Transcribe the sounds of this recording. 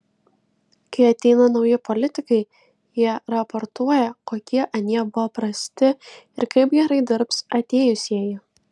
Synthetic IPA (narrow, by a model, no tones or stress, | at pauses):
kɐɪɐt̪ʲɛɪnɐnɒʊjɪpɔlʲɪt̪ʲɪkɐɪ | jiɛɾɐpɔɾt̪uɔjɛkoːkʲiɛʔɐnʲiɛbʊʋɐpɾɐsʲt̪ʲɪɪɾkɐɪpɡʲɛɾɐɪd̪ʲɪɾpsɐt̪ʲeːjʊsʲjiɛjɪ